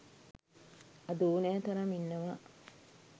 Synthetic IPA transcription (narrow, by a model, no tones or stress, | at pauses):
ɐd̪uːneɐt̪ɐɾɐminːɐʋɐ